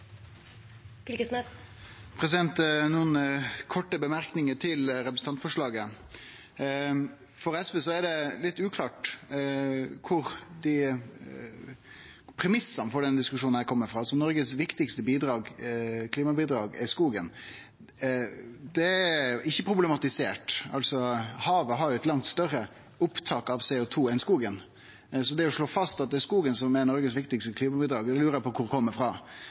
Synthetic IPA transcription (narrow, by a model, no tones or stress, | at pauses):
ɪlə | pʰɾɛs̬ɪd̪ɛnt̪nuːənkʰɔʈːəbəmæɾknɪŋəʈʰɪlɾɛpɾəsn̩ɑnt̪fɔʂɭɑːɡə | fɔɾɛsʋəsɔæɖɛlɪt̪ːʉːkʰlɑːʈ | kʰʊɾd̪ɪ | pʰɾɛmɪsːɑnfɔɖɛnd̪ɪskʉʂuːnæɪkʰɔmːəfɾɑːsɔnɔɾɡəsʋɪkt̪ɪkst̪əbiːd̪ɾɑːɡkʰliːmɑbiːd̪ɾɑːɡɪskuːɡən | d̪ɛɪçːəpʰɾʊblɛmɑt̪ɪseːʈɑ̰lsɔhɑːʋəɦɑɾjʊɛt̪lɑŋt̪st̪œɾːə | ʊpt̪ʰɑːkɑʋseʊt̪ʰuːɛnskuːɡən | sɔd̪ɛɔʂɭoːfɑst̪ɑt̪̚d̪ɛːɾskuːɡənsɔmænɔɾɡəsʋɪkt̪ɪkst̪əkʰliːmɑbiːd̪ɾɑːɡd̪ɛlʉːɾəpɔkʰʊɾkʰɔmːəfɾɑː